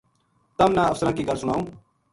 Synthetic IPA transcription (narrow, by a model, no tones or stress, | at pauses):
t̪əmnãːəfsəɾãːkiːkəɾsʊɽ̃aːõː